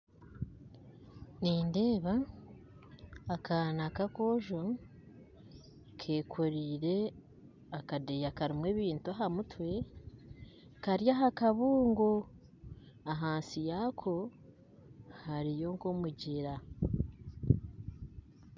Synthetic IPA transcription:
niːnde̞ːβa | kʰaːnakakoʒo | kʰeːkʰoɾiːɾe̞ | akadejakaɾimwe̞ːβiːntuaɦamutwe̞ | kaɾjaɦakaβuːŋɡo | aɦaːnsijakʰo̞ | haɾijo̞ŋkomuɟiɾa

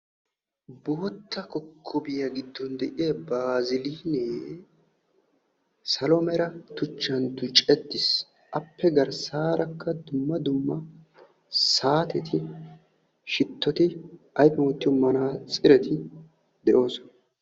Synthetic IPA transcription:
bo̞ːt̪ʰːɐkɔkʰːʊbɪjɐɡɪd̪ːɔnd̪ɛʔɪjɐbɾaːzɪliːneː | sɐlɔmɛɾɐt̪ʊt͡ʃːɐnt̪ʊt͡ʃʼɛd̪ːɪs | ʔɐpːɛɡɐɾsaːɾʔɐkʰːɐd̪ʊmːɐd̪ʊmːɐ | saːt̪ɛt̪ʰɪ | ʃɪt̪ːɔt̪ɪ | ɐjpɛwɔt̪ːɪjɔmɐnaːt͡sʼɪɾɛt̪ɪ | d̪ɛʔo̞ːsɔnɐ

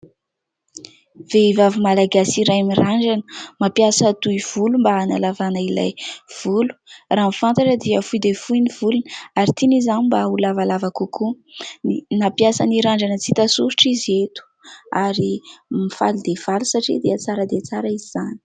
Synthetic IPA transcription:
v̥eivavimalaɡasiɾajmiraɳɖ͡ʐanə̥mapjasat̪uiv̥ulumbaːnalavanaila̰jv̥ulu̥raːmifant̪aʈ͡ʂəd̪iəfujd̪evujniv̥ulunaɾit̪inizanimbaulavalavakukʰu | inapjasaniɾaɳɖ͡ʐanət͡sit̪asuɾuʈ͡ʂizet̪u̥aɾimifa̰lud̪ev̥alusaʈ͡ʂḭd̪eat͡saɾad̪et͡saɾaiziz̥ani̥

